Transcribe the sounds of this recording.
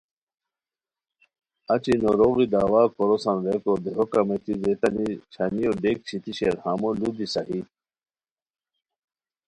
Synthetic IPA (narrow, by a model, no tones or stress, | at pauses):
at͡ɕinoɾoɣid̪aːwaːkʰoɾosanɾekod̪eɦokamet̪izet̪ɐnit͡ɕʰanijoɖek̚t͡ɕʰit̪iɕeɾhamolud̪isaɦi